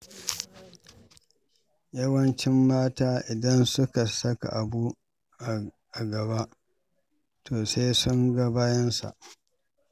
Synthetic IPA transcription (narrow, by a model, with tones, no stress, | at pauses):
jɐ˦wɐ˦nt͡ʃɪ˦mːaː˦taː˦ʔɪ˨dɐ˦nsʊ˦ka˨sɐ˦ka̰˨ʔa˨bu˦ | ʔa˨ | ʔa˨ɡɐ˨βa˦ʔ | tʰoː˨seː˦sʊ˦ŋɡa˦baː˦jɐ˦nsa̰˨ʔ